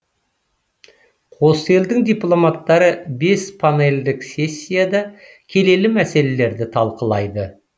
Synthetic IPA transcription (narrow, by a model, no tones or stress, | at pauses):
qʰo̞səe̞ld̪ɪŋd̪ʲijplˠo̞mat̪ːɑɾəbe̞spʰane̞ld̪ɪksʲe̞sʲːijad̪ɑ | kʲʰe̞le̞lɪmæse̞le̞le̞ɾd̪ɪt̪ʰɑlˠqəlˠɑjd̪ə